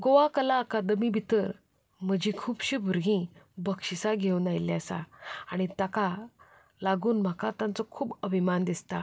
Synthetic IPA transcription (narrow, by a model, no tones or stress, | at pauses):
ɡoʋakəlaəkad̪mibʱit̪əɾ | m̤əd͡ʑikʰuːbɕiːbʱuɾɡĩbəkɕisaɡʱeunajljasa̰aɽ̃it̪aka | laɡuːnm̤akat̪ãnt͡sɔkʰuːbəbʱimand̪ist̪a